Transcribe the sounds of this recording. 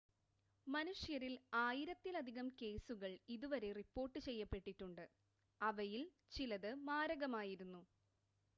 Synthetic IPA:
mɐnuʂjɐɾilaːjiɾɐt̪ːilɐd̪ʱiɣɐmke̞ːsuɣɐɭiðuʋɐɾe̞ripːo̞ːrʈːɨt͡ɕe̞jːɐpːe̞ʈːiʈːuɳɖɨ | ɐʋɐjil | t͡ɕilɐðɨmaːɾɐɣɐmaːjiɾunːu

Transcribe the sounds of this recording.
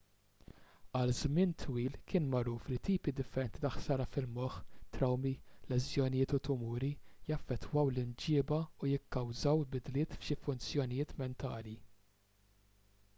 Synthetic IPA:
ɐlzmɪnt̪ʰwiːlkɪːnmɐɾuːflit̪iːpid̪ɪfːɛɾɛnt̪it̪ɐħsɐːɾɐfɪlmɔħt̪ɾɐwmilɛzjɔnɪjɪːt̪ʊt̪ʊmuːɾijɐfːɛt̪ːwɐwlɪnd͡ʒɪːbɐujɪkːɐwzɐwlbɪd̪lɪːt̪fʃifʊnt͡sjɔnɪjɪːt̪mɛnt̪ɐːli

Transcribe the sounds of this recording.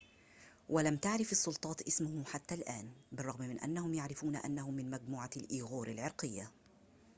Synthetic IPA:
walamt̪aʕɾɪfɑsˤːʊlt̪ˤɑːt̪ʔɪsmʊhħat̪ːalʔaːnbɪrˤːɑɣmmɪnʔa̰nːahʊmjaʕɾɪfuːnaʔa̰nːahʊmɪnmad͡ʒmuːʕalʔiːɣuːɾɪlʕɪɾqɪjːa

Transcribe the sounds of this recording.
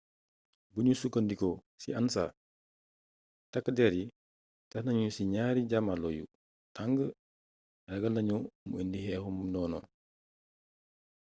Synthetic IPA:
buɲusukːəndikɔ | siɐnsa̰ː | tɐkːədɛɾi | tɐhnɐɲusiɲaːɾiɟamalɔjṵ | taŋɡə | ɾɐɡɐlnɐɲuməndihɛhumnɔːnɔ̰

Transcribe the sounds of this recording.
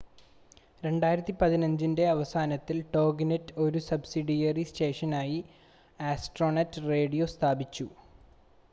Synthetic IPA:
ɾe̞ɳɖaːjiɾɐt̪ːipɐðinɐɲd͡ʑinde̞ɐʋɐsaːnɐt̪ːilʈo̞ːɡinɐtːo̞ɾusɐbsiɖijɐriste̞ːʂɐnaːji | aːsʈro̞ːnɐtːre̞ːɽijo̞st̪ʰaːbit͡ɕːu

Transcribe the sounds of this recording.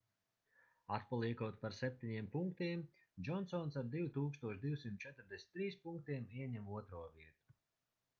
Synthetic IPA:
at̪palˠiɛkuɔt̪paɾsɛp̚ʲt̪iɲiɛmpuŋkt̪iɛm | d͡ʒɔnsɔnsaɾd̪iwt̪uːkst̪uɔʃd̪iwsimt̪̚t͡ʃɛt̪ɾd̪ɛsʲt̪ːɾiːspuŋk̚t̪iɛmiɛɲɛmuɔt̪ɾuɔviɛt̪u̥

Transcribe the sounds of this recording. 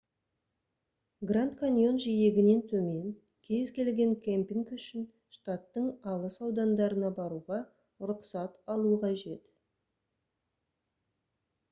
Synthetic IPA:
ɡrant̪kanʲjo̞nʒije̞ɡʲɪne̞nt̪ʰɵme̞ŋ | kʲʰe̞zkʲʰe̞lɡʲe̞ŋkʲʰempiŋkʏʃɪn | ʃt̪at̪ːəɴɑlˠəsɑwd̪ɑnd̪ɑɾənɑbɑɾuʁɑ | ʊɾʊqsɑt̪ɑlˠuəqʰɑʒe̞t̪

